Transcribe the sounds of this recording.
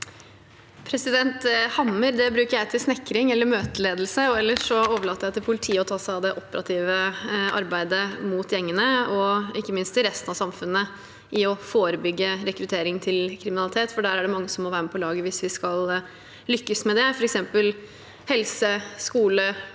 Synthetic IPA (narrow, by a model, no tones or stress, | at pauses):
pʰɾɛsɪd̪ɛnt̪hɑmːəɾd̪ɛbɾʉːkəɾjæɪt̪ʰɪlsnɛkːɾɪŋɛlːəɾmøːt̪əleːd̪lsəɔɛlːəʂɔoːʋəɭɑːt̪ːəɾjæɪt̪ʰɪlpʰʊlɪt̪ʰiːəɔt̪ʰɑːsæɪɑʋd̪ɛʔɔpəɾʔɑt̪ʰiːʋəɑ̰ɾbæɪd̪əmut̪jɛŋːənəɔɪkːəmɪnst̪ʰɪlɾɛst̪ənɑʋsɑmfʉnːə | ʔɪɔfoːɾəbʏɡːəɾɛkɾʉt̪ʰeːɾɪŋt̪ʰɪlkʰɾɪmɪnɑlɪt̪ʰeːt̪fɔɖæːɾæɖɛmɑŋːəsɔmːɔʋæːɾməpʰɔlɑːɡəʋɪsʋɪskɑl | lʏkːəsmɛd̪ɛfɔɾɛksɛmpəl | hɛlsəskuːlə